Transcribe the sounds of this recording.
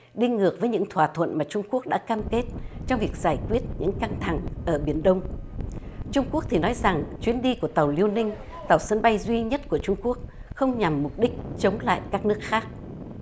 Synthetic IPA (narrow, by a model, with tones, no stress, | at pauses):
ɗi˧ŋŋɨ˨˩ək̚vəː˨˦ɲɨ̰˧˥ŋt̪ʰwaː˧˩t̪ʰwə̰˧˨nmaː˨˩t͡ɕʊ˧ŋ͡mku˦˥ək̚ɗa̰ː˧˥kaː˧mke˦˥t̚t͡ɕɔ˧wŋ͡mvi˨˩ək̚z̥aː˧˩jkwi˦˥ət̚ɲɨ̰˧˥ŋka˧ŋt̪ʰa˧˩ŋʔəː˧˩ɓi˧˩ənɗə˧wŋ͡m | t͡ɕʊ˧ŋ͡mku˦˥ək̚t̪ʰi˨˩nɔ˨˦jza˨˩ŋt͡ɕwi˨˦ənɗi˧ku˧˩ət̪ə˨˩wli˧əwnï˧ŋ̟ | t̪a˨˩wsə˧nɓa˧jzwi˧ɲə˦˥t̚ku˧˩ət͡ɕʊ˧ŋ͡mku˦˥ək̚ | xə˧wŋ͡mɲa˨˩mːʊ˨˩k͡p̚ɗï˦˥k̟̚t͡ɕə˨˦wŋ͡mla̰ː˧˨jkaː˦˥k̚nɨ˦˥ək̚xaː˦˥k̚